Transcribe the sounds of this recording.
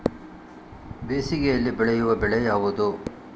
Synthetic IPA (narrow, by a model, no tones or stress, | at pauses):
beːsiɡejɐlːibɛɭɛjuʋɐbɛɭɛjaːʋud̪u